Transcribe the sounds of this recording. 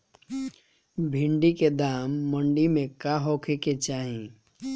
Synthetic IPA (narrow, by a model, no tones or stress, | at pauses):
bʱɪ̃ɳɖiked̪aːmːə̃ɳɖimẽkaɦoːkʰeket͡ʃaːɦĩ